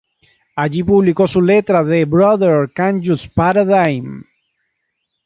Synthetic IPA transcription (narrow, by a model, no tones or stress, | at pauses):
aʝipuβliko̞sulet̪ɾaðebɾoðeɾkãnd͡ʒuspaɾaðajm